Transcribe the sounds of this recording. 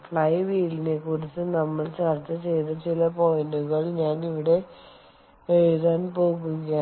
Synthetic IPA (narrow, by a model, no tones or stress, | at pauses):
fɭɐjʋiːlinekurit͡ɕːɨnɐmːɐɭt͡ɕɐrt͡ɕːɐt͡ɕe̞jt̪ɐt͡ɕilɐpo̞jnɖuɣɐɭɲaːniʋiɽe̞ | eɻuðaːnpo̞ːɣuɣa